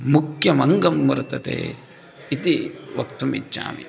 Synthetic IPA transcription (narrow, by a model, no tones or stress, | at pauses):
mukjɐmɐŋɡɐmːɐɾt̪ɐt̪ḛː | it̪iʋɐkt̪umḭt͡ʃːa̰ːmḭ